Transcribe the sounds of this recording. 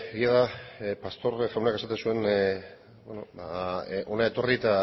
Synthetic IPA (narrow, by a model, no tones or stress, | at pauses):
eɣiaðapast̪o̞rʝawnakesat̪e̞nsue̞n | beno̞baʔo̞nae̞t̪o̞rit̪a